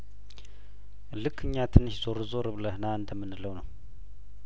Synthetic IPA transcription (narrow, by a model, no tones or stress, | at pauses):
lɨkːɨɲːat̪ʰɨnːɨʃzoɾɨzoɾɨβləhɨnaɨnd̪əmːɨnːɨləwnəw